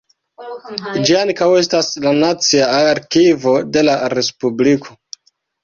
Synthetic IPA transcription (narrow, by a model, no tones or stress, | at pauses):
d͡ʒiaŋkawe̞staslanat͡siaːɾkivo̞de̞laɾe̞spublikʰo̞